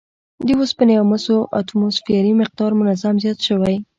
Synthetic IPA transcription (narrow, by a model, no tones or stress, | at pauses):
d̪əwospənajamasoʔa̰t̪umosfiaɾimɪq̚d̪ɑɾmʊnazamzjɑt̪ʃəwaj